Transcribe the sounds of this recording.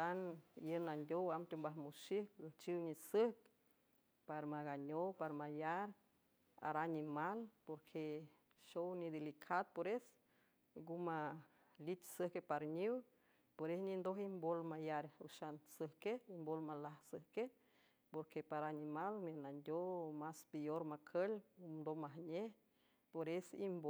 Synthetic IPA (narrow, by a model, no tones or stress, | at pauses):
t̪anjənand̪ʲjowamt̪ombaɦmuʃihklət͡ʃiwɲisəhk | paɾmaɡaɲopaɾmajaɾ | a̰ɾanimalpoɾkʰe | ʃownid̪elikʰad̪̚poɾes | ɡuma | lit̪səhkepaɾɲiw | poɾesnind̪oɦimbolmajaɾuʃansəhkeimbolmalahsəhke | poɾkepaɾanimalmenand̪ʲomaspejoɾmakʰəlud̪omaɦɲe | poɾesimbo